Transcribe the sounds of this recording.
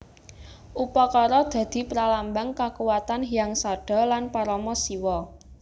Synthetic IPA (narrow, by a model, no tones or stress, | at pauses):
ʔupɔkɔɾɔd̪̥ä̤d̪̥i̤pɾalambaŋkakuwat̪anɦijaŋsaɖ̥ɔ̤lanpaɾɔmɔsiwɔ